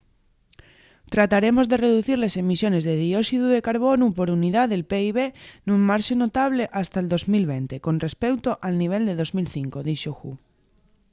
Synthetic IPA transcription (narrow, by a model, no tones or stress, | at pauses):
t̪ɾat̪aɾe̞mo̞zðe̞re̞ðuθiɾlese̞misjo̞ne̞zðeðio̞siðuðe̞kaɾβo̞nupo̞ɾuniðaðe̞lpe̞iβ̞e̞nummaɾʃeno̞t̪aβ̞le̞ʔast̪aeld̪o̞zmilβe̞nt̪e̞ko̞nre̞spe̞wt̪oʔalniβ̞e̞ld̪e̞ðo̞zmilθiŋko̞ðiʃoxu